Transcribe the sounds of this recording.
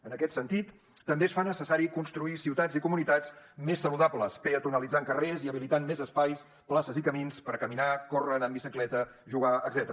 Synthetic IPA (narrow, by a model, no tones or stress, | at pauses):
ənəkɛt̪sənt̪it̪ː | əmbesfanəsəsaɾikunst̪ɾuisiwt̪azikumunit̪azmesːəluðapləspeət̪unəlid͡zaŋkəreziəβ̞ilit̪anmezəspajs | plasəzikəminspəɾkəminakorənəmbisiklɛt̪əʒuɣaəɡzɛt̪əɾə